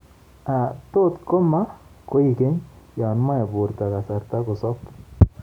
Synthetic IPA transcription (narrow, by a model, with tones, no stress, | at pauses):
a˨t̪o˦t̪ko˦ma˦ko˦i˨ke˦ɲja˨nma˦ja˨bu˨ɾt̪a˨ka˨sa˨ɾt̪a˦kʊ˨sɔ˦p